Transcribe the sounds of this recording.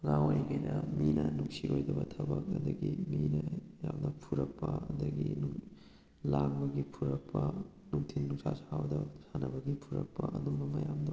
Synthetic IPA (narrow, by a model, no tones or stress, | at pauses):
ŋawajŋajnɐminɐnuŋsiojdɐbɐtʰɐbɐk̚ɐd̪ɐɡiminɐjamnɐpʰuɾɐk̚pɐɐdɐɡinu | laŋbɐɡipʰuɾɐk̚pʰɐ | nuŋtʰinːuŋsasawdɐsanɐbɐɡipʰuɾɐk̚pɐʔɐd̪umbɐmɐjamdɐw